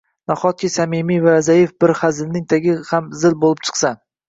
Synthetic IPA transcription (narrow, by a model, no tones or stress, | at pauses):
nɒχɒt̪̚kʲɪsamɪmijvaazajefbɪɾχazɪlnɪŋt̪ʰaɡʲɪhamzɪlbolɪp̚t͡ʃʰɨ̥qsa